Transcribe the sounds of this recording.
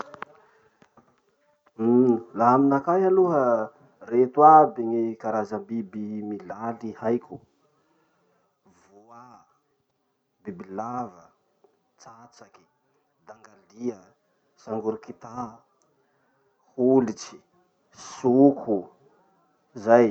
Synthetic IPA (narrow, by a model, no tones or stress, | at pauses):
laaminakajaluɦə | ret̪wabiŋikaɾazəmbibimilalihajkʲu | vua | bibilavə | t͡sat͡saki̥ | d̪aŋɡaliə | saŋɡuɾikit̪a | hulit͡ʃi̥ | sukʰu | zaj